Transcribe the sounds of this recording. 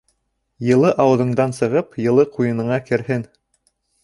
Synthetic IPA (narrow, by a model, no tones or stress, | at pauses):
jɤ̆lˠɤʔɑwɤ̆ðɤ̆ɴd̪ɑnsɤ̆ʁɤpjɤ̆lˠɤqujɤ̆nɤ̆ɴɑkɘ̆ɾhɘn